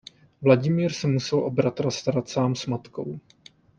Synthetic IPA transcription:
vlaɟɪmiːɾsɛmusɛlʔo̞bɾat̪ɾast̪aɾat̪saːmsmat̪ko̞̰w

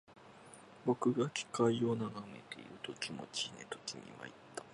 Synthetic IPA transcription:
bo̞kɯ̟ɡakʲi̥kaio̞naɡame̞̰t̪eiɾɯ̟t̪o̞kʲimo̞̰t͡ɕinet̪o̞̥kʲiɲ̟ḭβa̰it̪ːḁ

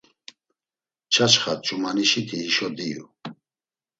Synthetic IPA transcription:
t͡ʃʰat͡ʃχat͡ʃʼumaniʃit̪ʰiːʃɔd̪ijṵ

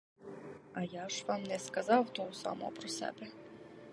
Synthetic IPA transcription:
ɐjaʂvɑmnɛskɐzɑwt̪owsɑ̰mo̰pɾɔsæ̰bɛ

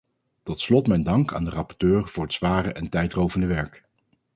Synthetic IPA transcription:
tɔtslɔtmɛjndɑŋka̰ːndərɑpɔ̥ɹtøːɹv̥ʊːɹɦətsʋaːrəʔɛntɛjtrowvəndəʋɛɹk

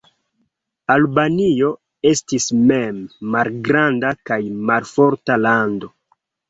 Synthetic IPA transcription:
albanio̞ | e̞stismemːalɡɾandakajmalfo̞ɾtalando̞

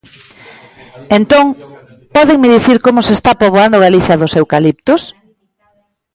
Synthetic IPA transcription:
ent̪oŋ | pɔðeŋmɪðiθiɾkomʊsest̪apoβoand̪ʊɣaliθjɐðʊsewkalip̚t̪ʊs

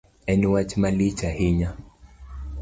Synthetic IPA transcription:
ɛniwat͡ʃmalit͡ʃahiɲa

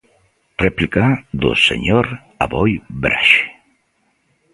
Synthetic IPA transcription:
replikad̪o̰sḛɲoɾ | a̰βɔjbɾʔa̰ʃ

